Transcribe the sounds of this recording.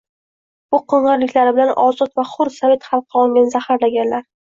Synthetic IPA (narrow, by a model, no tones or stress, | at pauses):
b̥ʊqʰoɴɨɾlɪkʲlaɾɪbɪlanʔɒzɒt̪vaχʊɾsave̞t̪χɑlˠqʰɨɒlˠŋɡʲanɪzahaɾlaɡʲanlaɾ